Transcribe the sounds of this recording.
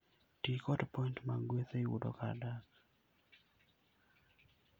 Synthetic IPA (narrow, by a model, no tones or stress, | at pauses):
tikɔtpɔintmaŋɡweθeiwṵdɔ̰ka̰dak